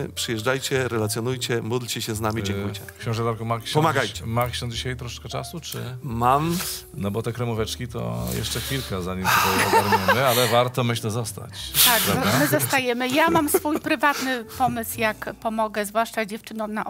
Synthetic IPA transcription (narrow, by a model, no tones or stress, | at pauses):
pʂɘjɛʐd͡ʐajt͡ɕɛɾɛlat̪sʲjɔnujt͡ɕɛmud̪lt͡ɕɛɕɛznamʲid͡ʑɛ̃ŋkujt͡ɕɛkɕɛ̃ʐɛd̪aɾkɔmakɕɛpɔmaɡajt͡ɕɛ̥makɕɛ̃d͡ʑiɕajt̪ɾɔʂɛ̥kɛt͡ʂa̰sut͡ʂɘ̰mam | nɔbɔt̪ɛkɾɛmuvɛt͡ʂkʲit̪ɔ̰jɛ̰ʂt͡ʂɛkʲilkazaɲimɔtɔwaɾmɛnnɛalɛvaɾt̪ɔmɘɕlɛzɔst̪a̰t͡ɕt̪aɡmɘzɔst̪ajɛmɘjamamsfujpɾɘvat̪nɘpɔmɘswjakpɔmɔɡɛzvwaʂt͡ʂad͡ʑɛft͡ʂɘnɔwnaʔ